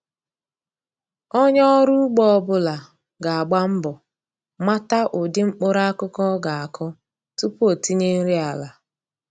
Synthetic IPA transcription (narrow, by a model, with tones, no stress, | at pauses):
ɔ˦ɲɔ˦ɾu˦ɡ͡bɔ˦˨bʊ˦la˨ | ɡa˨a˨ɡ͡ba˦m̩˦bɔ˨ | ma˦ta˦ʔʊ˨dɪ˦ŋ͡m̩˦k͡pʊ˦ɾa˦a˦kʊ˦kɔ˦ɡa˨a˨kʰɔ˦ | tu˦po˨ti˦ɲe˦n̩˦ɾi˦a˨la˨